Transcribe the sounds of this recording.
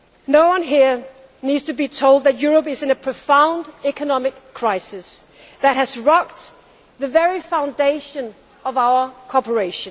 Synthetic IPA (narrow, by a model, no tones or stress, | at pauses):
noʊwʌ̃nɦiɹ | nidz̥tʰɨbitʰoʊlˠd̪̚ðɨt̚jʊɹəp̬ɨzɨ̃nɨpʰɹ̥ɨfãʊ̃ndɛkɨnɑmɨkʰːɹ̥aɪsɨs | ðɨt̚ɦɨzɹɑk̚ | ðɨvɛɹifãʊ̃ndeɪʃɨ̃n | ʌvaʊə˞kʰɔpə˞eɪʃɨ̃n